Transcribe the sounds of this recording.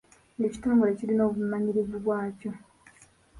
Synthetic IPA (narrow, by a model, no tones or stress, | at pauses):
ŋeci̥tuːmbule̞ciɾino̞ːβumaɲiɾivuβwaːco̞